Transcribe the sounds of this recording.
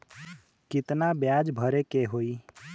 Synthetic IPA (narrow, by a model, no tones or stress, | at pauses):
kɪt̪nabjad͡ʒbʱəɾekeɦoi